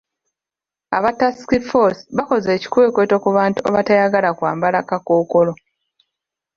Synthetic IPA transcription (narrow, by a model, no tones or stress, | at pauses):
a̰βatasi̥kifosi̥βako̞ze̞ːci̥kwe̞ːkwe̞to̞kuβaːntua̰βatajaɡalakwa̰ːmbalakakoːkolo̞